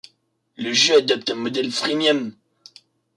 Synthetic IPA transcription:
ləʒøad̪ɔp̚t̪ɛ̃mɔd̪ɛlfχimjɔm

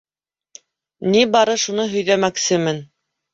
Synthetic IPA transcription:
nibɑɾɤʃunɤɦɵ̆jðæmæksɘmɘn

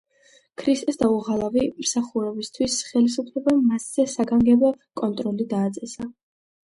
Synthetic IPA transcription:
kʰɾist̪ʼɛsd̪auʁalˠavimsaχuɾɛbist̪ʰwisχɛlis̬upʰlɛbamasz̥ɛsaɡaŋɡɛbɔkʼɔnt̪ʼɾɔlid̪aːt̪sʼɛsa

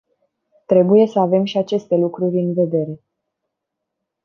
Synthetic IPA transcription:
t̪ɾe̞buje̞səave̞mʃiat͡ʃe̞st̪e̞lukɾurʲɨnve̞d̪e̞ɾe̞

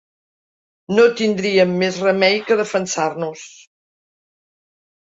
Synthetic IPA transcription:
not̪ind̪ɾiəmːezrəmɛjkəðəfənsarnus

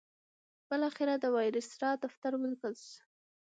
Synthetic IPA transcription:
b̥əlɑxɪɾad̪əwɑjɾɪsɾɑd̪aft̪aɾwəlkəlʃ

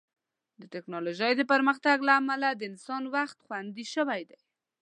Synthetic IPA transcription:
d̪əʈɪknɑloʒəjd̪əpəɾməxt̪aɡlaːmalad̪əɪnsɑnwaxt̪xwand̪iʃəwajd̪aj

